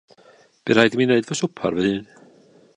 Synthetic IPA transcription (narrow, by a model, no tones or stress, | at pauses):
b̥iɾ̥hajdəmineɨdvɔsʊpʰa̰rvɛhɨːn